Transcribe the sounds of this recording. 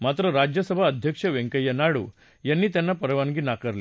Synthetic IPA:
mat̪ɾəɾad͡ʑjəsəbʱaəd̪ʱjəkʂəʋeŋkəjənaɽṵː | janːiːt̪janːapəɾʋanɡiːnakəɾle

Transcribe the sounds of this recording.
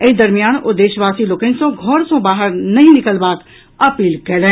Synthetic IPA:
ɪd̪ɐɾmijaːnod̪eːʃəʋaːsiloːkenisõɡʱɔːɾsõbaːɦəɾnɐɦĩnɪkəlbaːk | ɐpiːlkɛlẽː

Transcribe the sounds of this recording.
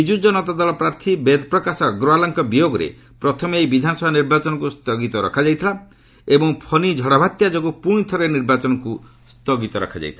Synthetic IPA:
id͡ʒud͡ʒɔnɔt̪ad̪ɔlɔpɾaɾt̪ʰibed̪ʱpɾɔkasɔɡɾoalaŋkɔbijoɡɔɾḛ | pɾɔt̪ʰɔmejbid̪ʱanɔsɔbʱaniɾbat͡ʃɔnɔkust̪ɔɡit̪ɔɾɔ̰kʰad͡ʒajt̪ʰila | ebɔŋpʰɔnid͡ʒʱɔɽabʱat̪jad͡ʒɔɡupũit̪ʰɔɾeniɾbat͡ʃɔnɔku | st̪ɔɡit̪ɔɾɔ̰kʰad͡ʒa̰jt̪ʰila

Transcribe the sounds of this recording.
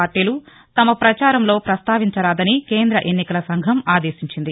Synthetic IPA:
aːɾʈiːlu | t̪ɐmɐpɾɐt͡ʃaːɾɐmlo̞ːpɾɐst̪aːʋiɲt͡ʃɐɾaːd̪ɐnike̞ːnd̪ɾɐʔe̞nːikɐlɐsɐŋɡʱɐmaːd̪e̞ːʃiɲt͡ʃind̪i

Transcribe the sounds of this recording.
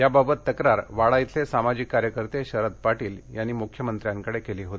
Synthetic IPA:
jababət̪ːəkɾaɾʋaɭajit̪ʰlesamad͡ʑikːaɾjəkəɾt̪eɕəɾət̪̚paʈiːljanːiːmukʰjəmənt̪ɾjãŋkəɽekeliːɦot̪i̥

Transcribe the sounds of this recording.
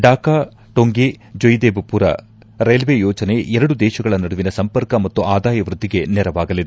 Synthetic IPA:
ɖaːkaː | ʈoŋɡe | d͡ʒojd̪eːbupuɾɐ̰ | ɾejlʋejɔːt͡ʃɐne̞ʔɛɾɐɽud̪ɛːʃɐɡɐɭɐnɐɽuʋinɐsɐmpɐɾkɐmɐt̪ːuʔaːd̪aːjɐʋɾud̪ʱːiɡe̞nɛɾɐʋaːɡɐlid̪

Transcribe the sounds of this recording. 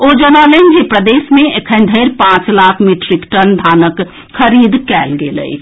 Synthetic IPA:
od͡ʒənalend͡ʒipɾəd̪eːsmẽekʰənd̪ʱəɪɾpãt͡ʃlaːkʰmiʈɾikʈənd̪ʱaːnək | kʰəɾiːd̪kɛːlɡelə̰i

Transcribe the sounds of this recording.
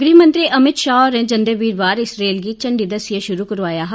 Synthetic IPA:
ɡɾiːmə̃nt̪ɾiːʔəmɪʃaːɔɾnẽːd͡ʒənd̪eʋiːɾʋaːɾɪsɾeːlɡiːt͡ʃəɳɖiːd̪əsɪjəʃʊɾuːkəɾʋaːjaːɦ

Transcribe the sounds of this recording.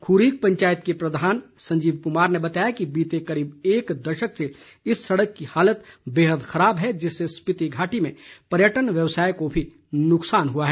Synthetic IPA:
kʰuːɾiːk̚pɐ̃ɲt͡ʃaːjət̪̚kepɾɐd̪ʱaːnsɐ̃ɲd͡ʒiːʋkʊmaːɾnebɐt̪aːjakibiːt̪ekɐɾiːbeːkd̪ɐʃəkse | ɪsːɐɽəkːihaːlət̪beːɦəd̪xɐɾaːbɦɛd͡ʒɪsːespɪt̪iɡʱaːʈimẽpɐɾjəʈənʋjɐʋsaːjekobʱi | nʊksaːnɦuaɦɛː

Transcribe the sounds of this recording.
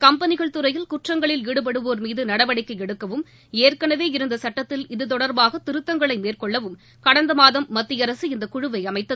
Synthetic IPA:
kɐmpɐnɪɣɐɭt̪ɯɾɐjɪlkʊʈrɐŋɡɐɭɪliːɽɯp̬ɐɽɯʋoːɾmiːðɯnɐɽɐʋɐɽɪkːɐɛɽɯkːɐʋɯm | eːrkɐɳɐʋeːɪɾɯnd̪ɐsɐʈːɐt̪ːɪlɪðɯt̪̬ɔɽɐɾbaːɣɐt̪ɪɾɯt̪ːɐŋɡɐɭɐɪmeːrkɔɭːɐʋɯm | kɐɽɐnd̪ɐmaːðɐmːɐt̪ːɪjɐɾɐsɯɪnd̪ɐkʊɻɯʋɐɪɐmɐɪt̪ːɐð

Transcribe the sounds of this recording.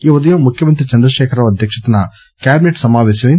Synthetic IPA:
iːʋɔd̪ɐjɐːmukʰjɐmɐnt̪ɾit͡ʃɐnd̪ɾɐʃeːkʰɐɾɐʋɐd̪ʱjɐkʂɐt̪ɐnɐ | kjaːbineʈsɐmaːʋeːʃjɐʋɐ

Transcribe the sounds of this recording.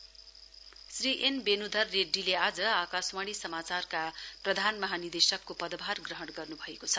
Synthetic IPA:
sriʔenbenud̪ʱʌrːeɖːilead͡zʌakaswaɽ̃isʌmat͡sarkaprʌd̪ʱanmʌɦanid̪esʌkːopʌd̪bʱarɡrʌɦʌɽɡʌrnubʱʌekot͡sʰʌ

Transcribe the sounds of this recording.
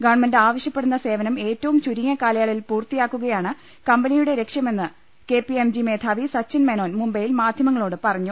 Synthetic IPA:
ɡɐːrɳmɐndaːʋɐɕjɐpːeɽunːɐse̞ːʋɐnɐme̞ːtːɐʋumt͡ɕuɾiŋːɐkaːlɐjaːɭilpuːrt̪ːijaːkːuɣɐjaːɳɨ | kɐmbɐnijuɽe̞ɾe̞kʂjɐme̞nːɨ | ke̞ːpiemd͡ʑime̞ːt̪ʰaːʋisɐt͡ɕːinmeno̞ːnmumbɐjilmaːd̪ʱjɐmɐŋːɐɭoːɽɨpɐrɐɲːu

